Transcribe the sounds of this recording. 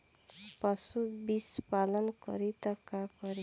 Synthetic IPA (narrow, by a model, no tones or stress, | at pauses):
pasubispalʌnkʌ̰ɾit̪ʌkakʌɾi